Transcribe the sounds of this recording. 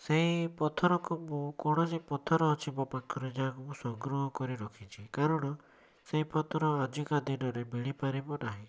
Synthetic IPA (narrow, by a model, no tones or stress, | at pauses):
seɦipɔt̪ʰɔɾɔkubukɔɽ̃ɔsepɔt̪ʰɔɾɔːt͡ʃʰibɔpakʰɔɾed͡ʒaɦãkubũsɔɡɾɔɦɔkɔɾiɾɔkʰit͡ʃʰikaɾɔɽ̃ɔ | seɦipɔt̪ʰɔɾɔad͡ʒikad̪inɔɾebiɽ̃ipaɾibɔnaɦĩ